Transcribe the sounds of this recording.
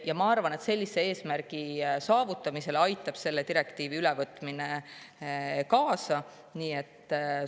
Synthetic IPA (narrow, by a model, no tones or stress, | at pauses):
jɑmɑɑrvɑne̞t̪se̞lʲːise̞e̞ːsmærɡ̥isɑːvut̪ːˑɑmise̞lɑjt̪ːˑɑb̥se̞lːe̞d̪t̪iɾe̞kt̪iːviylevɤt̪ːˑmine | kɑːsɑ | niːe̞t̪ːˑ